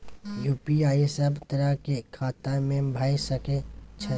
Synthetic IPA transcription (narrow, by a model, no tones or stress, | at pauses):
juːpiaːisəbt̪əɾəkekʰaːt̪amẽbʱaːisəket͡ʃʰə